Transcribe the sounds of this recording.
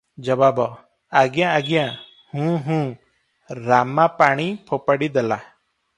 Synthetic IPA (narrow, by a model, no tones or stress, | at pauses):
d͡ʒɔbabɔ | aɡjãːɡjã | hũːɦũː | ɾamapaɽ̃ipʰopaɽid̪ela̰